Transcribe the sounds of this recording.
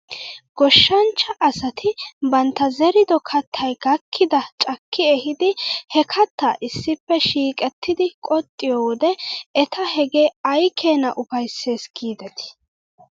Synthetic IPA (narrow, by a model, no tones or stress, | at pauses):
ɡ̥ɔʃːɐnt͡ʃːɐʔɐsɐt̪ʰɪbɐnt̪ːɐzɛɾɪd̪ɔkʰɐt̪ʰːɐjɡ̥ɐkʰːɪd̪ɐt͡ʃʼɐkːɪɛhɪd̪ɪhɛkʰɐt̪ːɐːʔɪsːɪpːɛʃiːkʼɛt̪ːɪd̪ɪkʼɔt̪ʼːɪjowɔd̪ɛɛt̪ʰɐhɛɡeɐjkʰeːnɐ̰ʔʊfɐjsːe̞ːsɡ̥iːd̪ɐt̪ɪ̥